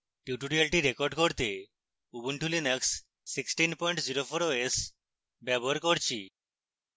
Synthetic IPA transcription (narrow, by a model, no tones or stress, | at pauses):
ʈjuʈuɖialʈiɾekoɾɖkoɾt̪e | ubuɳʈulinəksː | iksʈinpɔjɳʈziɾopʰoɾoes | bɛbɔɦaɾkoɾt͡ʃʰi